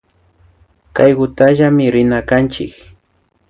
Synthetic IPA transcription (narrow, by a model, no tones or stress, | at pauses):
kajɢʊt̪aʒamɪɾɪnakant͡ʃɪ̰k